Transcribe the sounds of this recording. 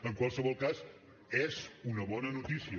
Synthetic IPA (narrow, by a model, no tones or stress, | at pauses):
əŋkwalˠsəβɔlˠkaz | ɛzunəβɔnənut̪isiə